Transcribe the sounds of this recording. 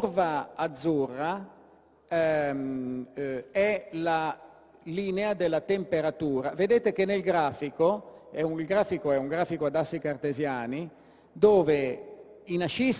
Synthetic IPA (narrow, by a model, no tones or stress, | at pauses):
rvaːd̪zːurːa | ɛla | liːnead̪elːat̪empeɾat̪uːɾaved̪eːt̪ekenːelɡɾaːfikoɛuilɡɾaːfikoɛuŋɡɾaːfikoad̪asːikart̪ezjaːni | d̪ɔːve | inaʃis